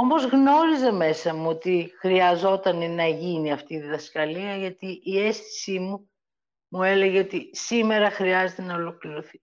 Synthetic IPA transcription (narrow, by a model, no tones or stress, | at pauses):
o̞mo̞zɣno̞ɾize̞me̞sɐmuo̞t̪ixɾiɐzo̞t̪ɐnenɐʝiniɐft̪iːðiðɐskɐliɐʝɐt̪iʔie̞sθi̥simu | mue̞le̞ʝeot̪isime̞ɾɐxɾiɐze̞t̪e̞nɐolo̞kliɾoθi̥